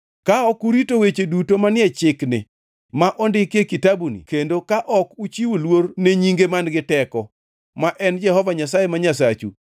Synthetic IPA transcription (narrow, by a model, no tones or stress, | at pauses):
kaɔkuɾitowet͡ʃedutomanɪɛt͡ʃɪknɪ̰ | maʔɔndɪkekitabunḭkendokaʔɔkut͡ʃiwolworneɲiŋɡemanɡɪtɛkɔ | maʔɛnd͡ʒɛhɔvaɲasajemaɲas̬at͡ʃṵ